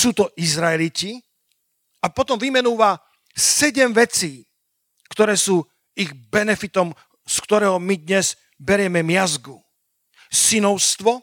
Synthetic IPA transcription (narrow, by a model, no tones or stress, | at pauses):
suːt̪ɔʔizɾaɛlici | apɔt̪ɔmʋimɛnuːʋa | sɛɟɛmʋɛt͡siː | kt̪ɔɾɛːsuː | iɣbɛnɛfit̪ɔm | skt̪ɔɾɛːɦɔmid̪ɲɛz | bɛɾɪɛmɛmɪazɡu | sinɔʊst̪ʋɔ